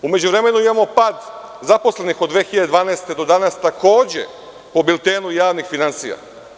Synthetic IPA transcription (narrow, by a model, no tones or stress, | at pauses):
ume̞d͡ʑuʋɾe̞me̞nuimamo̞paːd̪ | zapo̞sle̞nixod̪ʋeːxiʎad̪ed̪ʋaːnaest̪e̞d̪o̞d̪anast̪ako̞ːd͡ʑe̞̰ | po̞bilˠt̪eːnujaːʋnixfinansija̰